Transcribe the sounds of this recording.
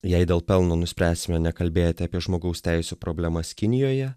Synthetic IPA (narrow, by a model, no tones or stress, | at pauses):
jɛɪd̪ʲeːlˠpʲɛlˠnoːnʊsʲpʲɾʲæːsʲɪmʲɛnʲɛkɐlʲbʲeːjot̪ʲɪɐːpʲiɛʒmoːɡɐʊsʲt̪ʲæɪsʲuːpɾoːbʲlʲæmɐskʲɪnʲɪjoːjɛ